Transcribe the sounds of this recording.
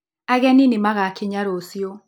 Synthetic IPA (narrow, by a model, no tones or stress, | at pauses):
aɣɛninemaɣakeɲaɾosjo